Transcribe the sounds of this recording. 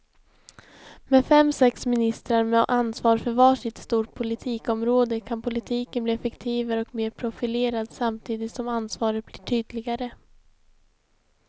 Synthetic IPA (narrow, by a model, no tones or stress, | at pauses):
mɛfɛmːsɛksmɪnɪst̪ɾaɾmɛʔansvɑːɾfœɾvɑːʂɪt̪st̪uːʈ̚pʰʊlɪt̪ʰiːkɔmɾoːd̪əkʰanpʰʊlɪt̪ʰiːkənbliːɛfɛkt̪ʰiːvaɾɔkmeːɾpʰɾʊfɪleːɾad̪samt̪ʰiːd̪ɪt̪sɔmansvɑːɾət̪̚bliːʈʰyːd̪lɪɡaɾə